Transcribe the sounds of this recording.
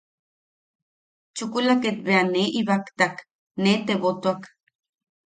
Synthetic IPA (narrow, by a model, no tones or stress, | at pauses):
t͡ʃukulaket̪beaneʔiβakt̪ak | net̪eβot̪oak